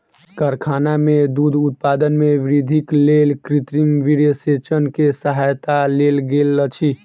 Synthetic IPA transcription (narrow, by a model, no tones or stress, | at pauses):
kəɾkʰanamed̪ud̪ʱut̪̚pad̪ənmeʋɾid̪ʱiklelkɾit̪ɾimʋiɾəset͡ʃənkesəɦajt̪alelɡelːət͡ʃʰi